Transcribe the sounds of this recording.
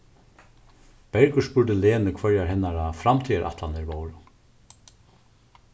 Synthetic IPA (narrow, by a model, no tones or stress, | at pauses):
b̥ɛɹkʏʂpʏɹd̪ɪleːnɪkʰvœɹjaɾɦɛnːaɾafɾamt̪ʰiːaɾʔa̰ht̪land̪ɪɾmoːwɾʊ